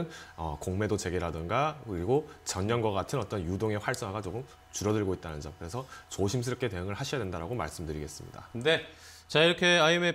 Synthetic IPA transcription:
nʌ̰koŋme̞dot͡ɕe̞ɡeɾadɯnɡakɯɾiɡot͡ɕʌɲɲʌnɡwʌɣatʰɯnʌt͈ʌnjudoŋe̞ɸwaɭs͈ʌŋaɡat͡ɕoɡɯm | t͡ɕuɾʌdɯɭɡoit̚t͈anɯnd͡ʑʌmkɯɾe̞sʰʌt͡ɕoɕʰims̬ʰɯɾʌk͈ʰe̞te̞ɯŋɯɭhaɕʰijadwe̞ndaɾaɡoma̰ɭs͈ɯmdɯɾiɡe̞̰s͈ɯmɲḭda̰ne̞ | t͡ɕaiɾʌkʰe̞aime

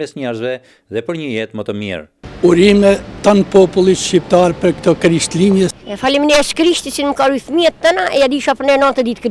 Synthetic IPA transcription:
ɛsɲɛɾzvɛ | ðɛpəɾɲəjɛt̪mɔt̪ɔmḭɾ | uɾimɛt̪anpɔpulˠiʃcip̚t̪aɾpəɾkt̪ɔkɾiʃt̪limjɛɛfalimnɛskɾiʃt̪isinməkaɾuθmiɛt̪t̪ːanaʔɛjad̪iʃapəɾnɛɾnɔnt̪əd̪it̪k

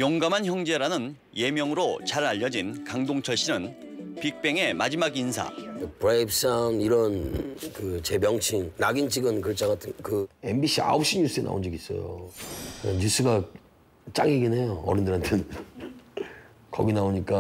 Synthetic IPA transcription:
jʌŋɡamançjʌŋd͡ʑe̞ɾanɯn | je̞mjʌŋɯɾot͡ɕaɾaʎːʌd͡ʑinkaŋdoŋt͡ɕʰʌɭɕ͈inɯn | pik̚p͈e̞ŋe̞mad͡ʑimaɡinsʰa̰pɾejp̚s͈aniɾʌnkɯt͡ɕe̞mjʌŋt͡ɕʰiŋnaɡint͡ɕʰiɡɯnkɯɭt͡ɕ͈ʰaɡatʰɯnkɯe̞mbiɕʰia̰op̚ɕ͈iɲus͈ɯenʔa̰o̰nd͡ʑiɡis͈ʌ̰jo̰ | eɲus͈ɯɡa | t͡ɕ͈a̰ŋeɡinɦejoʌ̰ɾɯndɯɾantʰɯn | kʌɡinaoɲik͈a

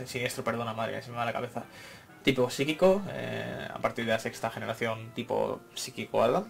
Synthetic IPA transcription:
sinje̞st̪ɾope̞ɾð̞o̞namaðɾḛḛnsθimaðelakaβe̞θa | t̪iposikikoḛa̰paɾt̪iɾð̞ease̞kst̪axe̞ne̞ɾaθjo̞nt̪ipo̞̰sikikoa̰ða

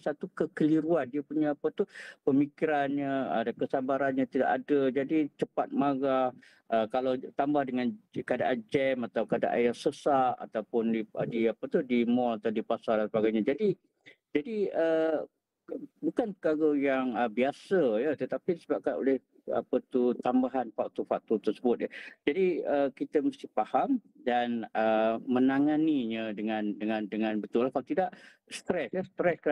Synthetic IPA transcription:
sat̪ukəkəliɾuandiəpuɲaːpət̪uhpəmikiɾanɲaədakəsabaɾanɲat̪ida̰ʔadəd͡ʒadit͡ʃəpat̪̚maɡah | ʔəkalawt̪ambahdəŋankada̰ʔad͡ʒɛmat̪awkada̰ʔa̰jaŋsəsaʔa̰t̪awpʊndidiapət̪udimɔlat̪awdipasaldansəbaɡajɲad͡ʒadi | d͡ʒadiə | bukanpəkaɡəjaŋəbiasəjət̪ət̪apidisəbap̚kano̰lɪh | a̰pət̪ut̪ambaɦanfak̚t̪ufak̚t̪ut̪ərsəbʊt̪̚jəd͡ʒadiəkit̪əmast̪ɪhpaham | danəmə̃naŋaniɲədəŋãndəŋãndəŋãnbət̪ʊlahkalat̪idaʔ | st̪ɾɛsjəst̪ɾɛsk

